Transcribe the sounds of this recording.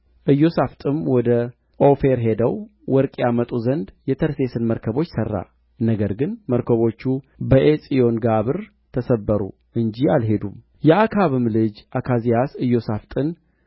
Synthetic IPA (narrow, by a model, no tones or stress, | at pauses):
ʔɨjːo̞saft̪ʼɨmwɔd̪ə | ʔo̞fe̞ɾɦe̞d̪əwwɔɾkʼjamət̪ʼuzənd̪jɛt̪ʰəɾse̞sɨnməɾkʰəβo̞t͡ʃːsərːa̰ | nəɡəɾɡɨnməɾkʰəβo̞t͡ʃːu | bəʔesʼijo̞nɡaβɨɾ | t̪ʰəsəbːəɾṵ | ʔɨɲd͡ʒialɦe̞d̪um | jɛakʰaβɨmlɨd͡ʒʔakʰazijasɨjo̞saft̪ʼɨn